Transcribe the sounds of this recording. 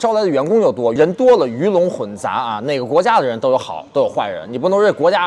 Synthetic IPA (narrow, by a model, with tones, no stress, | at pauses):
ʈ͡ʂla˧˥d̪ə˩ɥɛ˧˥nkʊ˥ŋjo˨˩ʊt̪wɔ˥ɻə˧˥nt̪wɔ˥lə˨y˧˥lʊ˧˥ŋxwə˧˥nt͡sa̰˧˥ɐ˧ne˥˩ɪɡə˩kwɔ˧˥t͡ɕja˥d̪ə˨ɻə˧˥nt̪o˥ʊjo˧˥xɑ̰˨˩˦ʊt̪o˥ʊjo˨˩ʊxwa˥˩ɻə̰˧˥nni˨˩p̬u˥˩nɤ˧˥ŋɻe˥˩ɪkwɔ˧˥t͡ɕja˥